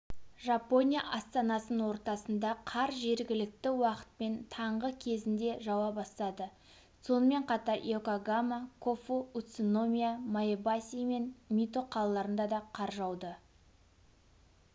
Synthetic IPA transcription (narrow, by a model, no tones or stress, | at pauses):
ʒapo̞nʲijaʔɑst̪ɑnɑsənwo̞ɾt̪ɑsənd̪ɑqʰɑɾʒe̞ɾɡʲɪlɪk̚t̪ɪwɑqə̥t̪̚pe̞nt̪ʰɑɴʁəkʲʰe̞zɪnd̪e̞ʒɑwɑpbɑst̪ɑd̪ə | so̞nəme̞ɴqʰɑt̪ɑɾekaɡamakʰo̞fout̪sono̞mʲijamaebasʲijme̞nmʲit̪o̞qʰɑlˠɑlˠɑɾənd̪ɑd̪ɑqʰɑɾʒɑwd̪ə